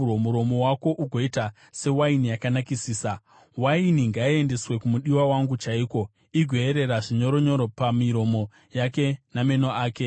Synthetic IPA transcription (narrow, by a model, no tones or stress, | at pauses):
omuɾo̞mo̞wako̞ʔuɡʱo̞ita | se̞wainijakanakisiːsa | wainiŋɡaie̞nde̞swe̞kumuɗiwawaŋɡut͡ʃaiːko̞ | iɡʱwe̞eɾe̞ɾaʐiɲo̞ɾoɲo̞ɾopamiɾo̞mo̞ | jake̞name̞noaːke̞